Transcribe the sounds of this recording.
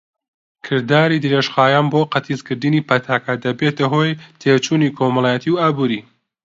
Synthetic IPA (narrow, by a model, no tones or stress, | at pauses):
kʰɨɾd̪aːɾiːd̪ɨɾeʃxaːjaːnboːqɐt̪ʰizkɨɾd̪ɨniːpʰɐt̪ʰaːkad̪ɐbet̪ɐɦoːjt̪ʰet͡ʃuːniːkʰomɐlˠaːjɛt̪iwaːbuːɾi